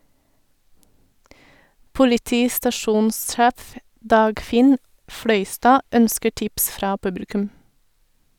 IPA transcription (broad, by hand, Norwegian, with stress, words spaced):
pʊlɪˈtiːstɑˌʃuːnsˌʃæːf ˈdɑːɡˌfɪn ˈfɽœʏˌstɑː ˈœnskə ˈʈɪps ˈfɾɑː ˈpʉbl̩kʉm